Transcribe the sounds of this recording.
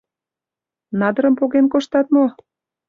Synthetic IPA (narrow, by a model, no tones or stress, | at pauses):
nɑd̪ə̆ɾəmpoɣenkoʃt̪ɑt̪mo